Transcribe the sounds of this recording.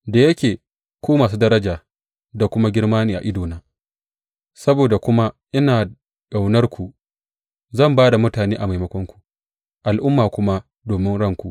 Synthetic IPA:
da˨jɐ˦kʲeː˨ | kʷuː˦maː˨s̬u˦dɐ˦ɾɐ˦d͡ʒaː˨ | da˨kʷʊ˦ma˦ɡʲɪ˦rmaː˦niː˨ʔa̰˨ʔɪ˦doː˨naː˦ | sɐ˦boː˨da˨kʷʊ˦ma˦ | ʔɪ˦naː˨ | ka˨wnɐ˦rkʷu˨ | zɐ˦˨mbaː˦da˨mʊ˦taː˨neː˦ʔa˨ma˨jmɐ˦kʷɔ˦ŋkʷu̥˨ | ʔa˨lʔʊ˦mːaː˨kʷʊ˦ma˦ | doː˨mɪ˦nɽɐ˦ŋkʷu˨ʔ

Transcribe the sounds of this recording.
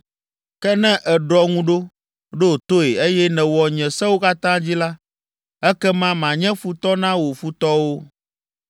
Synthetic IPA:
kɛ˦nɛ̃˦ʔɛ˨ɖɔ˨ŋũ˦ɖo˦ | ɖo˦˨t̪o˦e˨e˦jɛ˦nɛ̃˨wɔ˨ɲɛ̃˨sɛ˦wo˦ka˦t̪ã˦d͡ʑi˦la˦ | ɛ˦kɛ˦mã˦mã˨ɲɛ̃˦fu˨t̪ɔ˦nã˦wo˨fu˦t̪ɔ˦wo˦

